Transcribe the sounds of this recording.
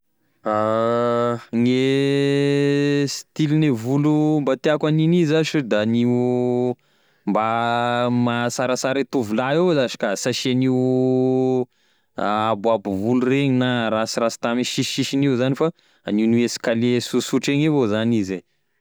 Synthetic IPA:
a | ŋe | si̥t̪ilinevulumbat̪eakwaninizaʃed̪ani | mba | masaɾasaɾet̪uvulaewzaʃi̥kasaʃeniw | aabuabuvulureɲinaɾasiɾasi̥t̪amiʃiʃiʃiniuzanifa | aniwnuesi̥kalesusuʈ͡ʂeŋevozanize

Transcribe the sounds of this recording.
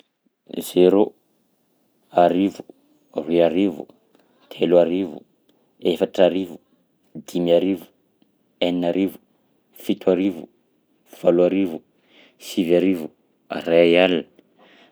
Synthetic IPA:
z̥eɾu | aɾivu | riaɾivṵ | t̪ʰeluaɾivṵ | efaʈ͡ʂaɾivu | d̪imiaɾivu̥ | anaɾivu | fit̪uaɾivu | v̥aluaɾivu | sivaɾivu | arajalnə̥

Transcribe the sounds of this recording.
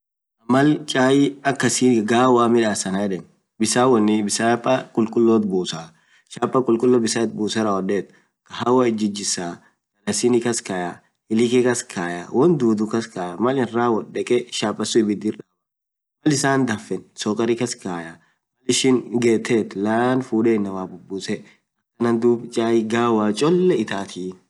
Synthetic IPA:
ɐmɐlt͡ʃʼaːjɪɐkːɐsiːɡaːwaːmɪᶑaːsɐnɐɛᶑɛn | bɪsaːwɔnːɪbɪsaːpʼːɐkʼʊlkʼʊlːɔt̪buːsaː | ʃaːpʼːɐkʼʊlkʼʊlːɔbɪsɐt̪̚buːsɐɾɐwɔᶑeːt̪ | kɐhawɐɪd͡ʒɪd͡ʒɪsaː | ɡɐlɐsɪnɪkɐskaːja | ɪlɪkɛkɐskʰaːjawɔnd̪uːd̪ʊkɐskaːjamɐlɪrːaːwɔᶑɛkʼɛʃaːpʼːɐsʊɪbɪd̪ɪrawɐ | mɐlɪsaːnd̪ɐfːɛnsɔkʼɐɾɪkɐskaːja | mɐlɪʃɪnɡeːt̪ːeːt̪laːnfuːᶑeːnːɐwaːbʊbːusɛ | ɐkːɐnɐnd̪uːbt͡ʃʼaːjɪɡaːwaːt͡ʃʼɔlːɛɪt̪aːt̪ʰiː

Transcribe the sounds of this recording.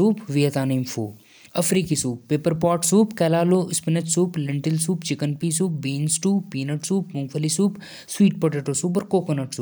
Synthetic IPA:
uːpʋijɐt̪aːnimfo̰ː | ɐfɾiːkisuːpːeːpəɾpɔːʈsuːpkɛːlaːloːʔɪspɪnɐʈsuːplɪɳʈɪlsuːpt͡ʃɪkənpiːsuːp̚biːnsʈuːpːiːnɐʈsuːpmʊ̃ŋɡfəlisuːp | swiːʈ̚pɐʈeʈosuːp̬ɔɾkoːkonɐʈsuː

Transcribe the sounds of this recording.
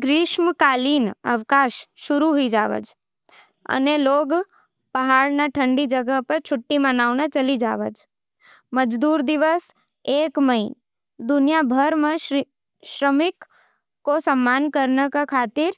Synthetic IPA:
ɡɾɪʃməkalinə̰ʋkaʃʃʊɾuɦoid͡ʒaʋə̰d͡ʒ | ə̰neloɡ | pəɦaɽnaʈʰəɳɖid͡ʒəɡəpəɾt͡ʃʰʊʈːimənaʋnat͡ʃəlid͡ʒa̰ʋə̰d͡ʒ | məd͡ʒd̪uɾd̪iʋəs | ekməi | d̪ʊnijabʱəɾmə̃ | ʃɾəmɪkː | osəmːankəɾnəkakʰat̪ɪɾ

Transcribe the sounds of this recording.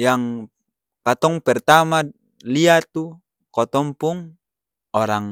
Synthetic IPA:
jaŋ | pat̪ɔŋpɛrt̪ama | liat̪u | kɔt̪ɔmpuŋ | ɔɾaŋ

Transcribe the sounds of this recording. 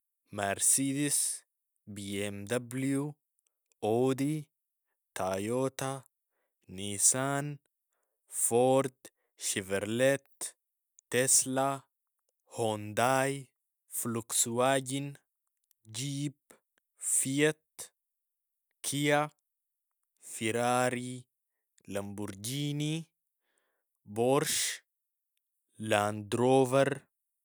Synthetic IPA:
mɐɾsiːd̪ɪs | biːɛmd̪ɐblju | oːd̪i | t̪ʰaːjoːt̪ɐ | niːsaːn | foːɾd̪ | ʃɪvɛɾlɛt̪ː | ɛslɐ | hond̪aːj | fluksuaɟin | d͡ʒiːp | fiɛt̪ | kʰija | fiɾaɾi | lambuɾd͡ʒiːni | bɔɾʃ | land̪ɾoːvɛɾ

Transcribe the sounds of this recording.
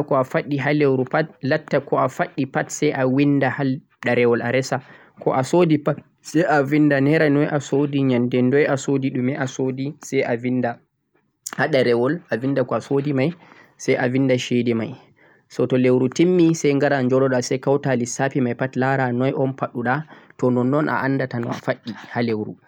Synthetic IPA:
kɔafaɗːiɦalewɾupatlatːakɔafaɗːipatsɛjʔawindahal | ɗaɾɛwɔla̰ɾɛsa | kʰɔ̰ʔasodipat | sɛjʔavindanɛɾanɔjʔasodiɲandɛndɔjasodiɗumɛʔasodisɛjʔavinda | haɗaɾɛwɔlʔavindakɔasodimaj | sɛjʔavindaʃɛdɛmaj | sɔtɔlewɾutimːisɛjŋɡaɾaɲd͡ʒɔɗɔɗasɛjkawtalisapimajpatlaɾanɔjʔɔnpaɗuɗatɔnɔnːɔnʔa̰ʔanːdatanɔ̰a̰faɗːihalewɾṵ

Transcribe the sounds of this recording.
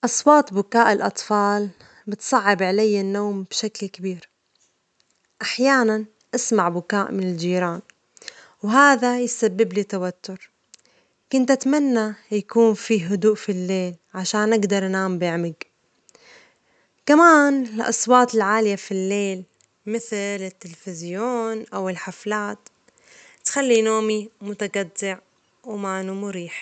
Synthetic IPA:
ʔɑsˤwɑːt̪ˤbʊkaːʔɪlʔɑt̪ˤfɑːl | bɪt̪sˤɑʕːɪbʕalajːanːoːmb̥ʃaklkabiːɾ | ʔaħjaːnan | ʔasmaʕbʊkaːʔmɪnɪld͡ʒiːɾaːn | wɦaːðajsabːɪblit̪awat̪ːʊɾ | kʊnt̪ʔat̪manːajakuːnfiːɦʊd̪uːʔfilːeːl | ʕaʃaːnʔɪɡd̪ɑɾˤʔnaːmbɪʕmɪɡ | kamaːnɪlʔɑ̰sˤwɑːt̪ɪlʕaːlɪjafilːeːl | mɪθlɪt̪ːɪlfɪzjoːnʔawɪlħaflaːt̪ | t̪xalːinoːmimʊt̪aɡad̪ːɪʕ | wmaːnumʊɾiːħ

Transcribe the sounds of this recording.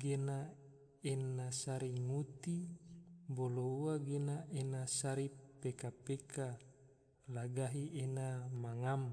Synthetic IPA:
ɡena | enasaɾiŋut̪i | bolouaɡenaʔenasaɾipekapekʰa | laɡaɦienamaŋam

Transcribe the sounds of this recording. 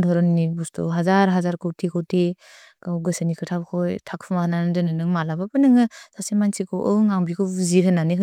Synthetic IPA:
dʰʱɔɾɔnːibustʰṵɦazaɾɦazaɾkʰɯwtʰikʰɯwtʰi | kawɡɯsanikʰɯtʰapkʰɔjtʰak̚pʰumahananɯdɯnɯnɯŋmalabapɯnɯŋɯsasemansikʰɯwʔɯŋaŋbikʰɯwziɾʰɦɯnaniɦɯ

